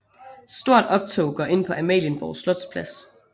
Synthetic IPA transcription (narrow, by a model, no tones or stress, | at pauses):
sd̥o̝ɐ̰d̥ɒ̽b̥̚t͡sʰo̰ʊɡ̥ɒʔe̝n̰pʰɒ̽ʔæmɛ̰ːljənb̥ɒʊslɔ̽d̥spʰlæs